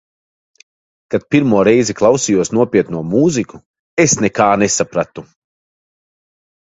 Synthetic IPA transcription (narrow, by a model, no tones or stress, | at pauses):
kat̪̚piɾmuɔɾɛjziklˠawsiːjuɔsnuɔpiɛt̪nuɔmuːziku | esnekaːnesapɾat̪u